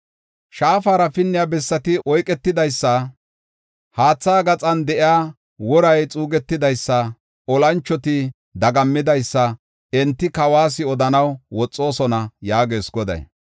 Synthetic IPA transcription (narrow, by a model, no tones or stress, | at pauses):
ʃaːfaːɾɐfɪnːɪjabɛsːɐt̪ɪʔɔjkʼːɛt̪ːɪd̪ɐjsːɐ | haːt͡sːaːɡɐt͡sʼɐnd̪ɛʔɪaː | wɔɾɐjt͡sʼuːɡɛt̪ːɪd̪ɐjsːɐ | ɔlɐnt͡ʃːɔt̪ɪ | d̪ɐɡɐmːɪd̪ɐjsːɐ | ɛnt̪ːɪkɐwaːs̬ɪɔd̪ɐnɐwwɔt͡sʼːo̞ːsɔnɐjaːɡeːsɡɔd̪ɐ̰j